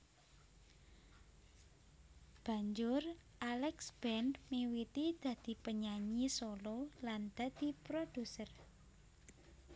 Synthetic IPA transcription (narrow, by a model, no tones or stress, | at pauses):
b̥ä̤ɲd͡ʒʊrʔalɛksb̥ɛnmiwit̪id̪̥ä̤d̪̥i̤pəɲaɲisolɔland̪̥ä̤d̪̥i̤pɾod̥usər